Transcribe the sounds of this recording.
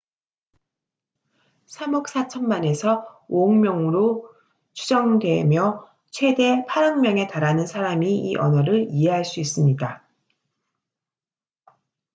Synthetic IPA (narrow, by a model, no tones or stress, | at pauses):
sʰamʌk̚s͈ʰat͡ɕʰʌnmane̞sʰʌoɯŋmjʌŋɯɾo | t͡ɕʰud͡ʑʌŋdwe̞mjʌ | t͡ɕʰwe̞de̞pʰaɾʌŋmjʌŋe̞taɾanɯnsʰaɾamiiʔʌ̰nʌɾɯɭie̞ɦaɭs͈uis͈ɯmɲida